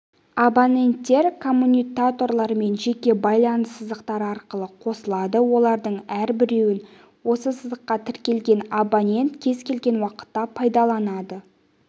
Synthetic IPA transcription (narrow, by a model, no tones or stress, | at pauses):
abonʲe̞nt̪ːe̞ɾkʰo̞mːunʲijkat̪o̞rlˠɑɾme̞nʒe̞kʲe̞bɑjlˠɑnəsəzd̪əqt̪ɑɾɑɾqəlˠəqʰo̞səlˠɑd̪əwo̞lˠɑɾd̪əɴæɾbɪɾe̞wɪn | wo̞səsəzd̪əqːɑt̪ʰɪɾkʲe̞lɡʲe̞nabonʲe̞nt̪kʲʰe̞zkʲe̞lɡʲe̞nwɑqə̥t̪ːɑpʰɑjd̪ɑlˠɑnɑd̪ə